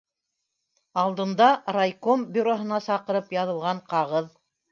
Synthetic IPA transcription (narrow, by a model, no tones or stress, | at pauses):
ɑlˠd̪ɤ̆nd̪ɑrajkombʲʏɾoɦɤ̆nɑsɑqɤ̆ɾɤpjɑðɤ̆lˠʁɑɴqɑʁɤð